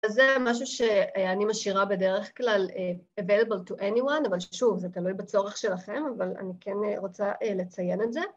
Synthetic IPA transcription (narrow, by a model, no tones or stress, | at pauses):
azːemaʃ̬uʃe̞animaʃiʁabe̞de̞ʁeχklaleevejlebəltuʔeniwanavalʃʃuvzetalujbat͡so̞ʁeχʃe̞laχe̞mavala̰nikenʁot͡saʔele̞t͡saje̞netze